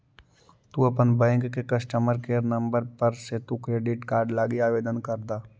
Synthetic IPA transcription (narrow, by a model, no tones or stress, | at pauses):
t̪uɐpənbɛ̃ːŋkːekɐsʈəməɾkeːɾnɐ̃mbəɾpəɾset̪ukɾeːɖɪʈkaːɾɖlaːɡiaːʋeːd̪ənkɐɾd̪aː